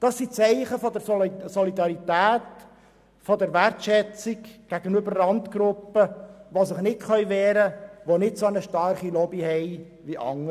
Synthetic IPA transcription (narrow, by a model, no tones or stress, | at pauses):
d̥ɑsːit͡sɛɪχəfɔd̪əɾsɔlid̪ɑɾit̪æːt | fod̪əɾʋærtʃɛt͡sikɡ̥æɡ̥ənʉbəɾlɑnt̪ɡ̥ɾʊpːəʋosɪχnɪtχœʏʋɛːɾəʋonɪtsonəʃtɑɾχilɔbihɛɪ | ʋiʔɑ̰ŋːə